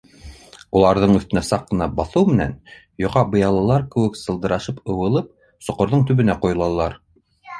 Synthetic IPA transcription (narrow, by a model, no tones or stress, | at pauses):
ulˠɑɾðɤɴɵ̆θt̪ɘ̆næsɑqːɤ̆nɑbɑθɤwmɘ̆næ̰n | jŏʁɑbɤ̆jɑlˠɑlˠɑɾkɘ̆wɘksɤ̆lˠd̪ɤ̆ɾɑʃɤpɤ̆wɤ̆lˠɤp̚ | sŏqŏɾðɤɴt̪ʉ̆βɘ̆næqŏjŏlˠɑlˠːɑɾ